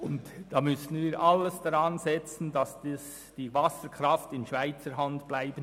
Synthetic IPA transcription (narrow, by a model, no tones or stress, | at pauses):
ʊntd̥aːmʏsn̩viːʔɑləsd̥aɾɑnzɛt͡sn̩dɑsd̥is | d̥iːvɑsəɾkrɑftɪnʃv̥aɪt͡səɾɦɑntb̥laɪb̥ən